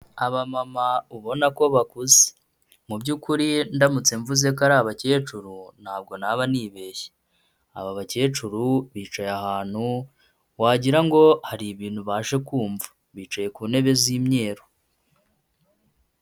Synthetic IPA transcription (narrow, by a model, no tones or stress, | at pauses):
aβamamauβo̞nako̞βakuze̥ | mubɟuːkuɾindamut͡se̞ɱvuze̞kaɾaːβace̞ːt͡ʃuɾun̥haːb̚ɡo̞naβaniːβe̞je̥ | a̰βaβace̞ːt͡ʃuɾuβiːt͡ʃajahaːn̥hu | waːɟiɾaŋɡo̞haɾiβiːn̥huβaːʃe̞kuːɱvḁ | βiːt͡ʃaje̞kuːne̞βeziːmɲe̞ːɾo